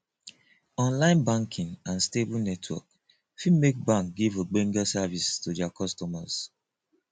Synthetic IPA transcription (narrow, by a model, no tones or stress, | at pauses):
ɔ̃nlãɪ̃nbãŋkʰĩŋãnstebulnɛtʰwɔ̰k | fimek̚bãŋk̚ɡivəɡ͡bẽŋɡasavistodɛakʰɔstɔma̰s